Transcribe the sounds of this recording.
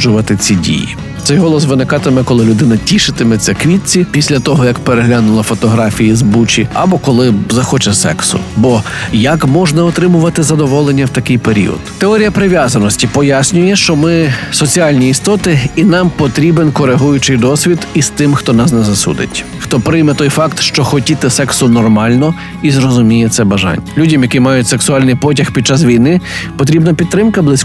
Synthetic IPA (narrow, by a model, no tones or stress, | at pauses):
d͡ʒʊʋɐt̪ɪt͡sʲidʲḭjḭ | t̪sɛjɦɔlˠɔsʋɪnɪkɑt̪ɪmɛkɔlˠɪlʲʊd̪ɪnɐtʲiʃɪt̪ɪmɛt͡sʲːɐkʋʲitʲt͡sʲipʲisʲlʲɐt̪ɔɦɔjɐkpeɾeɦlʲanʊlˠɐfɔt̪ɔɦɾɑfʲijizbut͡ʃiɐ̰bɔkɔlˠɪzɐxɔt͡ʃɛsɛ̰ksʊ̰bɔjɐkmɔʒnɐɔt̪ɾɪmʊʋɐt̪ɪzɐd̪ɔʋɔlˠenʲːɐwt̪ɐkɪjpeɾʲḭɔ̰d̪̥t̪eɔɾʲijɐpɾɪʋʲjazɐnɔsʲtʲipɔjasʲnʲʊjɛʃt͡ʃɔmɪsɔt͡sʲialʲnʲiist̪ɔt̪ɪinɑmpɔt̪ɾʲibenkɔɾeɦujʊt͡ʃɪjd̪ɔsʲʋʲid̪ist̪ɪmxt̪ɔnɑsnɛzɐsṵd̪ɪ̰tʲ | xt̪ɔpɾɪjmɛt̪ɔjfɑkt̪ʃt͡ʃɔxɔtʲit̪ɪsɛksʊnɔrmɑlʲnɔ | izɾɔzʊmʲijɛt̪sɛbɐʒɑ̰nʲːɐlʲudʲɐmjɐkimɑjʊtʲseksʊɑlʲnɪjpɔtʲɐxpʲid̪̚t͡ʃasʋʲijnɪpɔt̪ɾʲibnɐpʲid̪ːɾɪmkɐblˠɪsʲ